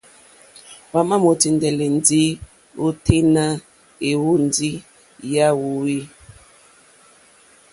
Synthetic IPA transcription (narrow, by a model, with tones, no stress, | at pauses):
wa˨ma˦mo˨ti˨ndɛ˨lɛ˨n˦di˦ | o˦tʰe˦na˦ | e˨wu˦n˨di˦ | ja˦wu˨wi˦